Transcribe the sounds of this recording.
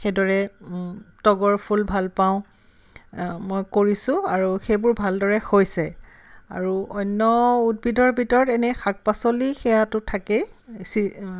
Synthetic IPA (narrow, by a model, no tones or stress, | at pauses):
xedɔɹɛ | tɔɡɔɹpʰulbʱalpaʊ̃ | mojkoɹisʊ̃aɹuxejbʊɹbʱaldɔɹɛxojsɛ | a̰ɹuɔnːɔut̚bʱidɔɹbʱitɔɹɔtɛnɛxak̚pasolixɛjatʊtʰakɛsi